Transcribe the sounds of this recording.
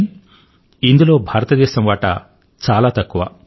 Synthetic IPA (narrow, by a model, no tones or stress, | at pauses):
ind̪ulo̞ːbʱaːɾɐt̪ɐd̪ɛːʃɐmʋaːʈɐ̰ | t͡ʃaːlaːt̪ɐkːuʋɐ̰